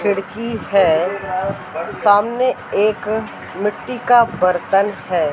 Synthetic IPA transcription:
kʰɪɽkihɛː | saːmneeːk | mɪʈːikabəɾt̪ənhɛː

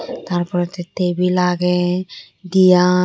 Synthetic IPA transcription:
t̪aɾpɔɾet̪et̪ebilaɡe | d̪ija

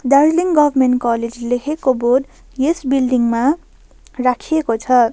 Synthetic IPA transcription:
darliŋɡʌbʱʌrmenʈkʌled͡zlekʰekoborɖ | jesbilɖiŋma | rakʰijekot͡sʰʌ

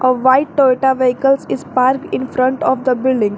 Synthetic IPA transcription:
ʔəʋaɪʈʈoeʈaʋeɦikəlsizpaɾkĩnfɾə̃ɳʈɔfd̪əbɪlɖĩŋɡ

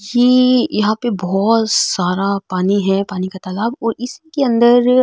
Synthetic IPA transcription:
jeːjɐɦãpebɔːt̪saːɾapaːniɦɛpaːnikat̪ɐlaːbɔːɾɪskeɐ̃nd̪əɾ

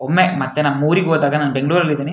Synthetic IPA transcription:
omːemɐt̪ːenɐmːuːɾikoːd̪aːɡɐnaːnɖeŋɡɖuʋɐɾɐlːid̪iːni

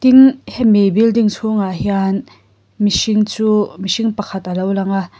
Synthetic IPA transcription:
t̪inhɛmebildiŋt͡sʰuŋaʔɦjan | misiŋt͡suːmisiŋpɐkʰat̪ʔɐlowlɐŋa

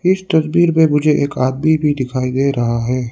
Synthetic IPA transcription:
ɪst̪ɐsbiːɾpẽmʊd͡ʒʱeʔeːkaːd̪̚mibʱid̪ɪkʰaːid̪eːɾɐɦaɦɛː

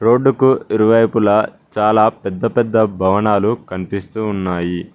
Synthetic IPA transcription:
ɾo̞ːɖːukuiɾuʋɐjpulɐ | t͡ʃaːlaːpɛd̪ːɐpɛd̪ːɐbʱɐʋɐnaːlukɐnipist̪uːnːaːji

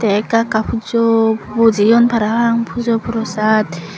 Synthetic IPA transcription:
t̪ɛkakapʰud͡ʒɔbɔd͡ʒijɔnpʰaɾaɦaŋpʰud͡ʒɔpʰɔɾɔsat̪

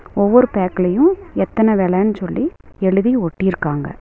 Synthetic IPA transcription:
ɔʋːɔɾɯpeːkɪlɐjʊ̃ɛt̪ːɐnɐʋeːɭɛnːɯsɔlːiɛɻɯðiɔʈːɪjɪɾɯkːaːŋɡɐ̰

